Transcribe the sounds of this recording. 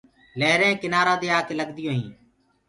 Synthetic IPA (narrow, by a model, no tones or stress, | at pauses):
leɦɾẽːkɪnaːɾaːd̪eːaːkeːləɠd̪ɪjõːɦĩː